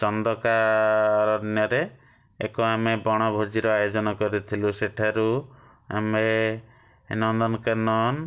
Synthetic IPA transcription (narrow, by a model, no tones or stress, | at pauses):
t͡ʃɔnd̪ɔkaɾɔnjɔɾe | ekɔamebɔɽ̃ɔbʱod͡ʒiɾɔajod͡ʒɔnɔkɔɾit̪ʰiluseʈʰaɾu | a̰me | inɔnd̪ɔnɔkɔɾnɔn